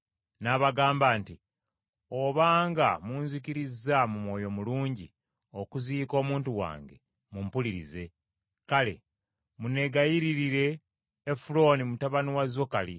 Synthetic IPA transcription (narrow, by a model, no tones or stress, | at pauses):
naβaɡaːmbaːnti | o̞βaːŋɡamuːnzikiɾizamumwo̞ːjo̞muluːɲɟi | o̞kuziːko̞ːmuːntuwa̰ːŋɡe̞̰ | mumpuliɾḭze̞ | kale̞̰ | mune̞ɡajiɾiɾiɾe̞ː | fulo̞ːnimutaβaniwazokali